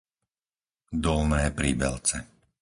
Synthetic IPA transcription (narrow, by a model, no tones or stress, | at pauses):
d̪ɔlnɛːpɾiːbɛ̰lt͡sɛ